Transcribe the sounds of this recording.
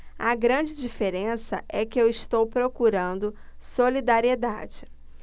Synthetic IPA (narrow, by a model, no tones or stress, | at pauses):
ɐɡɾɐ̃d͡ʒɪd͡ʒifeɾẽsɐ̰ʔɛkɪewɪst̪owpɾokuɾɐ̃nd̪ʊ | solid̪aɾied̪a̰d͡ʒɪ